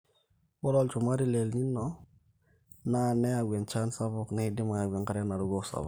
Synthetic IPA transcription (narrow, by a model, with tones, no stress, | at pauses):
bɔ˦lɔ˨lt͡ʃu˨ma˦ɾi˦lɛ˨lni˦nːɔ˨ | na˦˨nɛ˦a˨ɡɛ˨nt͡ʃa˦nsa˦bɔ˨kni˦dɪ˦ma˨ja˨ɡʷɛ˨nka˦ɾɛ˦na˨ɾu˦ɡɔ˦sa̰˨bɔ̰˨